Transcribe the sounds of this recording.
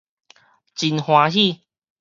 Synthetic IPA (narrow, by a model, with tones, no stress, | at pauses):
t͡ɕi˧nhwã˧ɦi˥˧˨